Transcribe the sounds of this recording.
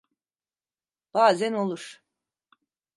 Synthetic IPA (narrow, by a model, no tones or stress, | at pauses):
b̥aːzæno̞lˠuɾ̥